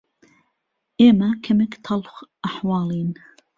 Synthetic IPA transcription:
ʔeːmɐkʰɐmekt̪ʰɑlxʔaħwɑːlˠiːn

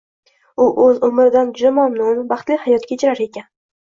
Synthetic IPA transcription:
ʊʔɵzʊmɾɪd̪and͡ʒʊd̪amamnʊnbɑχt̪lɪhajɒt̪kʲaet͡ʃʰɪɾaɾe̞kʲʰan

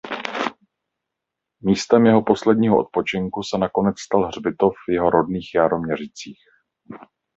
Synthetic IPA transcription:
miːst̪ɛmjɛɦo̞po̞slɛdɲiːɦoʔot̪̚po̞t͡ʃɪŋkusɛnako̞nɛt͡sst̪alɦr̝bɪt̪o̞fjɛɦo̞ɾo̞dniːxjaːɾo̞mɲɛr̝ɪt͡siːx

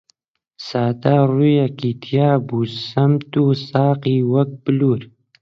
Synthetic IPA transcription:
sɑːd̪aɾujakit̪ʰjɑːbusamt̪usɑːqiwak̚bluɾ

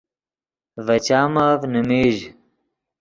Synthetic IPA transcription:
vɐt͡ɕaːmaːvnumiːʑ

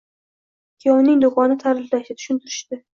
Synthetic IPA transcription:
kʲʰijɒwnɪŋd̪ʊqɒnɪt̪ʰaɾɪflaʃt̪at̪ʰʊ̥ʃʊnt̪ʰɪɾɪ̥ʃt̪ɪ

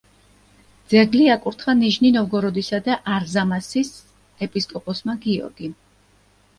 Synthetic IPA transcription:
d̪z̥ɛɡliakʼuɾt̪ʰχaniʒninɔvɡɔɾɔd̪isad̪aʔaɾzamasis | ɛpʼiskʼɔpʼɔsmaɡiɔ̰ɾɡi

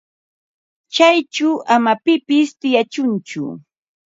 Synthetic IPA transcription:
t͡ʃajt͡ʃʊʔamapɪpɪst̪ɪjat͡ʃʊnt͡ʃʊ̰

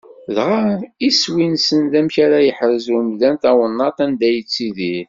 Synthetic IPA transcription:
ðʁaiswinsənðæmçaɾajəħəɾəzumlænt̪æwənːɑt̪ˤænd̪æjət͡sːiðiɾ

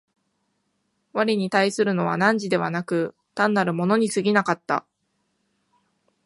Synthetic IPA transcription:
βaɾʲiɲ̟it̪aisɨɾɯ̟no̞β̞a̰nãɲ̟d͡ʑid̪e̞βa̰nakɯ̟ | t̪ãnːaɾɯ̟mo̞no̞ɲ̟isɨɡʲinakat̪ːa̰

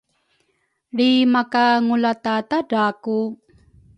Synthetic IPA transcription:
ɾimakaŋulat̪atadaku

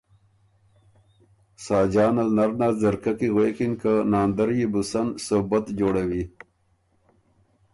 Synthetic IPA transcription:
saːd͡ʑaːnɐlnɐɾnazɐɾkɐkiɣweːkinkanaːnd̪ɐɾjibusɐnsobɐt̪d͡ʑoːɽewi

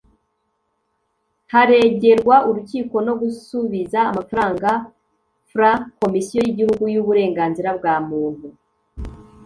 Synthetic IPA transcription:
haɾe̞ːɟe̞ɾɡwaʔuɾuciːko̞no̞ɡusuβizaːmafaɾaːŋɡa | fɾako̞misijojiɟihuɡujuβuɾe̞ːŋɡaːnziɾabɡaːmuːn̥hu

